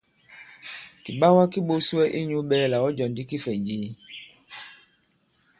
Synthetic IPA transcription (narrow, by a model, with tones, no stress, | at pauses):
ki˨ɓa˦wa˦ki˦ɓo˦su˦ɛ˦ʔi˦ɲu˦ɓɛ˦lɛ˦la˨wɔ˦d͡ʒɔ˨ndi˦ki˦fɛ˨d͡ʒi˦